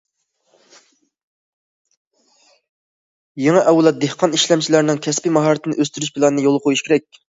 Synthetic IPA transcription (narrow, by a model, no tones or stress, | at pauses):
jeŋɛʔɛwlˠɛt̪̚d̪ehqʰɑniʃlɛmt͡ʃʰilæɾnɪŋkʲʰɛspɪmɑɦɑɾt̪ʰɪnɨʔøst̪yɾyʃ̬pʰɪlˠɑnɨnɨjolˠqʰojuʃkʲeɾɛk̚ʲ